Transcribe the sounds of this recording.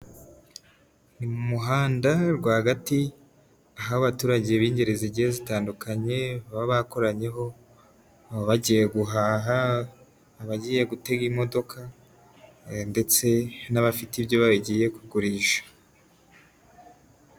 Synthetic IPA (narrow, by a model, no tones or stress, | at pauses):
nimumuɦaːndaɾɡwaːhaɡati | aɦahoβatuːɾaɟeβiːɲɟe̞ɾeziɟihezitaːndukʰaɲe̞ββaβako̞ɾaɲe̞ɦo̞ | βaɟije̞ɡuɦaːɦaː | βaɟije̞ɡute̞ɡimo̞do̞kʰa | nde̞t͡se̞naβafitibjo̞βaβiɟije̞kuɡuɾiːʃḁ